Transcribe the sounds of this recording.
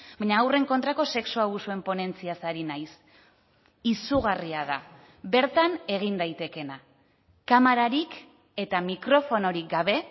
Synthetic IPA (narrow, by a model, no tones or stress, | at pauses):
bajɲaːwre̞ŋko̞nt̪ɾako̞se̞ksuaβ̞usue̞mpo̞ne̞nt͡siasaɾinajs | isuɣ̞ariaða̰ | βe̞ɾt̪ane̞ɣ̞ind̪ajt̪e̞ke̞na | kamaɾaɾik | e̞t̪amikɾo̞fo̞no̞ɾik̚ɡaβ̞e̞